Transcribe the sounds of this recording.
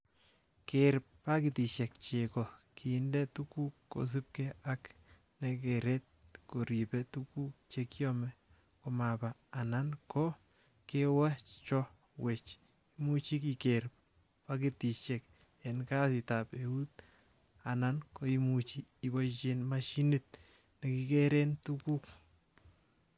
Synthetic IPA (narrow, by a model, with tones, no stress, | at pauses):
keɾp̚ːakiti˨ʃɛk̚t͡ʃekɔ˨kʰi˨ndɛ˦tuku˦kko̰˨s̬ɪ˦p̚kɛak | nɛkeɾɛt̚ko˨ɾi˨pɛtuku˦k̚t͡ʃekjɔ˦mɛ˦ | ko˨mapaː˨nankɔ˦ | kewa˦t͡ʃɔ˦ | we˨t͡ʃ | imu˦t͡ʃi˦kikeɾp̚ | pakiti˨t͡ʃɛk̚ | enka˦sitape˨u˦t | a˨nanko˦imu˨t͡ʃiː˨bɔ˦t͡ʃenmaʃi˦nit̚ | ne˨ki˦keɾe˦ntuku˦k̚